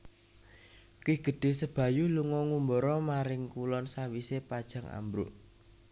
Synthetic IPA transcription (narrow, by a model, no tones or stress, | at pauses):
kiɡ̥ə̤ɖ̥e̤səb̥ä̤juluŋɔŋumbɔɾɔmaɾɪŋkulɔnsawisepad̥ʒ̥ä̤ŋa̰mbɾʊ̰ʔ